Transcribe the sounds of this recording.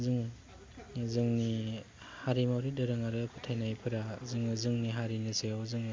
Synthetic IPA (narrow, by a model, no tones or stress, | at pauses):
zɯŋ | zɯŋni | haɾimawɾidɯɾɯŋaɾɯpʰɯ̥tʰajnajpʰɯɾazɯŋɯzɯŋniɦaɾinɯseawzɯŋ